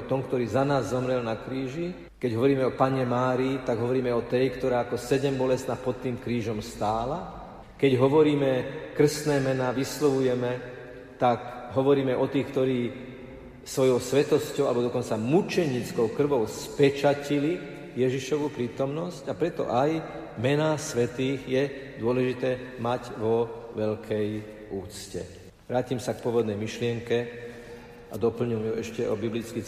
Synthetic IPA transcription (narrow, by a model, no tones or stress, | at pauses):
t̪ɔmkt̪ɔɾiːzanaːzːɔmɾɛlnakɾiːʒi | kɛɟɦɔʋɔɾiːmɛɔpaɲɛmaːɾiːt̪aɡɦɔʋɔɾiːmɛɔt̪ɛjkt̪ɔɾaːkɔsɛɟɛmbɔlɛst̪naːpɔt̪ːiːmkɾiːʒɔmst̪aːla | kɛɟɦɔʋɔɾiːmɛkr̩st̪nɛːmɛnaːʋislɔʋujɛmɛ | t̪akɦɔʋɔɾiːmɛʔɔt̪iːxkt̪ɔɾiː | sʋɔjɔʊsʋɛt̪ɔscɔʊa̰lɛbɔd̪ɔkɔnt͡samut͡ʃɛɲiːt͡skɔʊkr̩ʋɔʊspɛt͡ʃacili | jɛʒiʃɔʋupɾiːt̪ɔmnɔscapɾɛt̪ɔ̰ʔaj | mɛnasʋɛt̪iːɣjɛd̪ʊɔlɛʒit̪ɛːmaɟʋɔʋɛʎkʰɛj | ʔuːt͡scɛ̰ | ʋɾaːcimsak̚pʊɔʋɔd̪nɛjmiʃlɪɛŋkɛ | ad̪ɔpl̩ɲujɛjuʔɛʃcɛʔɔbiblit͡ski